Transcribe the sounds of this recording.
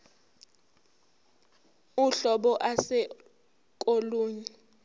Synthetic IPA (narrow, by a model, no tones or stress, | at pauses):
uɬɔɓɔʔasɛ | kʼoluːɲi